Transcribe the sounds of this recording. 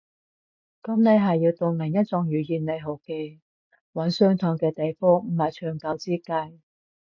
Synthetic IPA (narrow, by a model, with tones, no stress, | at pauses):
kɐ˨˥mne˨˧jɦɐ˨jiː˧wt̪o˧wlɐ˨˩ŋjɐ˥t̚t͡sɔː˨˧ŋjyː˨˩jiː˨nne˨˧jɦo˨˩wke˧j | wɐ˨˥nsœː˥ŋt̪ʰɔː˨˥ŋkɛː˧t̪e˨jfɔː˥ŋm̩˨˩hɐ˨˩jt͡ʃʰœː˨˩ŋkɐ˨˥wt͡siː˥kɐ˧˥j